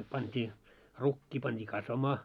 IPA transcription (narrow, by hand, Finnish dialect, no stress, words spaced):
pɑntʲiː rukːiː pɑntʲiː kɑsʋɑmɑː